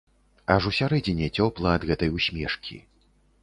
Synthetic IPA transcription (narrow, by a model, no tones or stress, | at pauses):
ɐʐusʲaɾɛd͡zʲɛnʲɛt͡sʲɔplˠɐːd̪ɣɛt̪ɐjusʲmʲɛʂkʲʰḭ